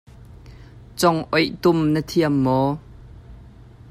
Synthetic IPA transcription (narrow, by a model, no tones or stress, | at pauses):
t͡sɔŋʔɔjt̪ʊmnət̪ʰiəmːɔː